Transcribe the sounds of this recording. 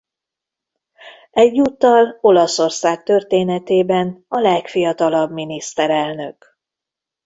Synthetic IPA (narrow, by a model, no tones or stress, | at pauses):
ɛɟːuːt̪ːɒlo̞lɒso̞rsaːk̚t̪ø̞rt̪eːnɛt̪eːbɛnɒlɛkfijɒt̪ɒlɒbminist̪ɛɾɛlnø̞k